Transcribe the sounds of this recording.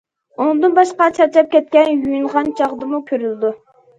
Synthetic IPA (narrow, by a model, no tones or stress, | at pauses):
unɨŋd̪ɨnbɑʃqɑt͡ʃʰɑt͡ʃɑp̚kʲʰɛt̪̚kʲɛnjujyɴʁɑnt͡ʃʰɑʁd̪ɨmukʲʰøɾyld̪u